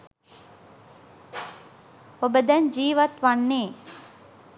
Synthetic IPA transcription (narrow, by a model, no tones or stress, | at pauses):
obəd̪ɐnd͡ʒiːʋɐt̪ʋanːeː